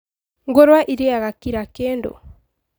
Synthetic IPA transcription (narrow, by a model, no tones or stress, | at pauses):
ŋɡoɾwaʔiɾiaɣakiɾakeːndo̰